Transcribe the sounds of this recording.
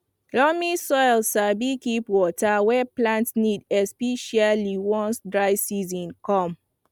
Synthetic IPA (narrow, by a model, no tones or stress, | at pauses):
lɔmisɔjlsabikipwɔtawɛplãntsnidɛspɛʃaliwɔ̃nsdɹajsizɔ̃nkɔ̃m